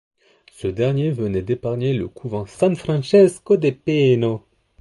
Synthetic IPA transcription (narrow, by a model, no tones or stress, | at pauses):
səd̪ɛʁnjevənɛd̪epaʁɲelə̰kʰuvɑ̃sɛ̃nfχɑ̃ʃɛskod̪epeno